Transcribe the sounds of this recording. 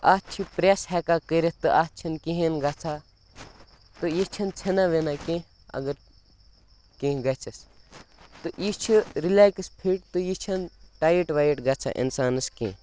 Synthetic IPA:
aːt͡ʃʰipɾeshɛkakəɾet̪t̪ɨʔaːt͡ʃʰɐnkeɦenɡat͡sʰa | t̪ɨjit͡ʃʰɐnt͡sʰɐnaʋenakẽ | ɐ̰ɡɐɾ | kẽːɡɐt͡ʃʰɐs | t̪ɨʔit͡ʃʰiɾilaːjkɐspʰiʈt̪ujit͡ʃʰɐnʈaːjiʈʋaːjiʈɡɐt͡sʰa̰ʔḭnsaːnɐskḛ̃ː

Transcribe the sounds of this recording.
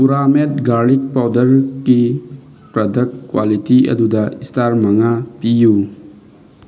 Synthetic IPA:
puɾamet̚ɡaɾlik̚pawdɐɾki | pɾɐdɐkːwalitiɐ̰dudɐistaɾmɐŋapiju

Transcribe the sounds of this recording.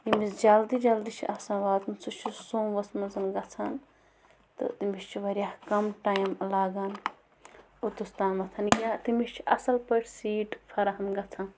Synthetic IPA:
imisd͡ʒɐld̪id͡ʒɐld̪it͡ʃʰḭʔɐsɐ̃ːʋaːt̪mɨt͡sʰut͡ʃʰusoːmʋɐsmɐzɐnɡɐt͡sʰan | t̪ɨ̰t̪imist͡ʃʰiʋɐɾʲjaːhkɐmʈaːjmlaːɡaːn | ot̪ust̪aːnʋɐt̪ʰɐnɡʲaːt̪imist͡ʃʰiʔɐsɐlpɐʈʰʲsiːʈfʰɐɾɐɦɐmɡɐt͡sʰan

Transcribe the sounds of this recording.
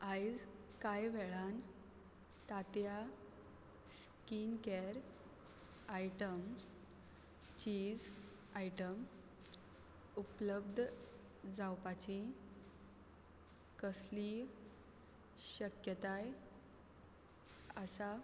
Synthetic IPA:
ajd͡zkajʋɛɭan | t̪at̪ja | skinkɛɾ | ajʈəms | t͡ɕiːd͡z | ajʈəm | upləb̚d̪ʱ | d͡zawpat͡ɕi | kəsli | ɕəkjət̪aj | əsa

